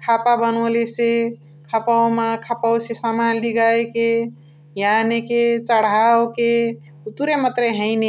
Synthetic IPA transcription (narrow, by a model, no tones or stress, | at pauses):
kʰapabənolese | kʰapawmakʰapawsesamanliɡaeke | janeket͡ʃəɽ̤awke | t̪uɾemət̪ɾeɦəɪne